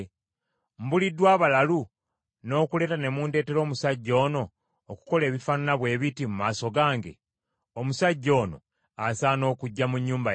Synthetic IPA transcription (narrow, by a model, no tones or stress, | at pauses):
m̩bulidːwaːβalalu | no̞ːkule̞ːtane̞muːnde̞ːte̞ɾo̞ːmusaɟːo̞ːno̞ː | ku̥ko̞le̞ːβifananaβwe̞ːβitimumaːso̞ɡaːŋɡe̞̰ | omusaɟːo̞ːno̞̰ | asaːno̞ːkuɟːamuɲːuːmba